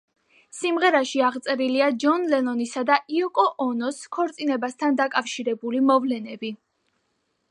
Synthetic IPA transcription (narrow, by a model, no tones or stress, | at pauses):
simʁɛɾaʃiaʁt̪sʼɛɾiliad͡ʒɔnlɛnɔnisad̪aʔiɔkʼɔʔɔnɔskʰɔɾt̪sʼinɛbast̪ʰand̪akʼafʃiɾɛbulimɔvlɛnɛbi